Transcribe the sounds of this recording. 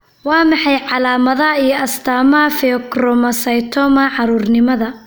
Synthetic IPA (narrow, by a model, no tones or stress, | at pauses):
wɑːmɑħɑjʕɑlaːmɐðɐijɔɐst̪ʰaːmɐfɛkrɔmɐsɐjt̪ʰɔːmɐʕɑɾuːrnɪmɐðɐ